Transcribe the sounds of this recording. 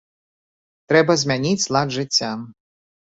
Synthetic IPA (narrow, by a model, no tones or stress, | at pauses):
t̪ɾɛbɐzʲmʲanʲit͡sʲslˠad̪ʐɨt͡sʲːa